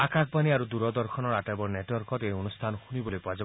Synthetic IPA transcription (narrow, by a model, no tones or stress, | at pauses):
akak̚ʰbaniaɾud̪uɾɔd̪ɔɾkʰɔnɔɾaʈabɔɾneʈwɔɾkɔɾeɔnust̪ʰanɔhunibolipad͡ʒa